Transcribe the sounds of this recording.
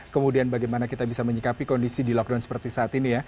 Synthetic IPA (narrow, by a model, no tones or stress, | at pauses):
kəmudianbaɡajmanakit̪abisaməɲəkapikɔndisidilɔk̚dawnsə̥pərt̪isaːt̪inija